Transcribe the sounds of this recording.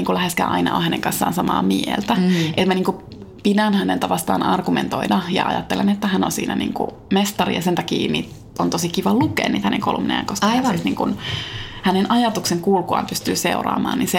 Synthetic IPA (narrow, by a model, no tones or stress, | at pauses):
iːŋkulæheskæ̰ːʔɑinɑ̰o̰hæneŋkɑnsːɑ̰ːnsɑmɑ̰ːmielt̪æʔet̪mæniːŋku | pidænhænelt̪æʋɑst̪ɑ̰ːnʔɑrɡument̪oidɑjɑ̰ʔɑ̰jɑt̪ːelenet̪ːæhæno̰nsḭːnæ̰nḭːŋkṵ | mest̪ɑrḭjɑsent̪ɑkiːnḭːt̪ | ont̪osikiʋɑlukḛːnːiːt̪hænḛŋkolṵmnḛjɑ̰ŋkoskɑʋɑsniːŋkunhænenʔɑjɑt̪ukseŋkuːlkuɑ̰ːmpyst̪yːsḛurɑ̰ːmɑ̰ːninse